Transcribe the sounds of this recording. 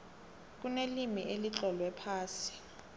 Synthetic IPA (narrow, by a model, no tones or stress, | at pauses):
k̬unelimiʔelit͡ɬʼɔlwɛpʰaːsi̥